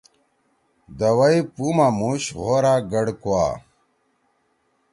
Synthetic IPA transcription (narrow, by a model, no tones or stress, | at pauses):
d̪ɐwɐipumamuɕɣoɾaɡɐɽkua̰ː